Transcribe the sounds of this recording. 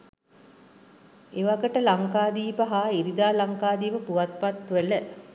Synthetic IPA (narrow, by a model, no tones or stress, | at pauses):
eʋaɡəʈəlaŋkaːd̪iːpəɦaːiɾid̪aːlaŋkaːd̪iːʋəpuʋat̪̚pat̪ʋələ